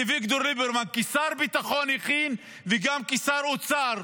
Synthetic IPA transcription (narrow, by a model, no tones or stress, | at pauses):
vikt̪oɾlibeɾmankisaɾbit̪aχoniχin | veɡamkisaɾot͡saɾ